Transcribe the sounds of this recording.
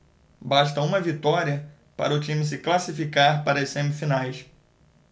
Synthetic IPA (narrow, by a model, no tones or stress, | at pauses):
baʃt̪ɐũmɐvit̪ɔɾiɐ | pa̰ɾɐʊt͡ʃĩmɪs̬ɪklasifikaɾpaɾɐɐsẽmifinajs